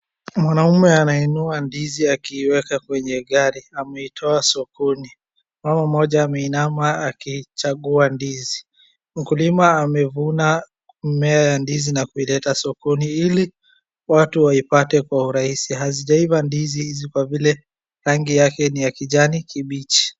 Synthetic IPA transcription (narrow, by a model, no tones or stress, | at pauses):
mwanaumɛanainuandiziakiːwɛkakwɛɲɛɠaɾiamɛitʰɔasɔkuni | mamam̩ɔʄaːmɛinamaːkit͡ʃaɠuandizi | m̩kulimaːmɛvuna | mɛajandizinakuilɛtasɔkuniili | watuwaipatɛkwauɾahisiɦaziʄaivandizihizikwavilɛ | ɾaŋɡijakɛnijakiʄanikiɓit͡ʃi̥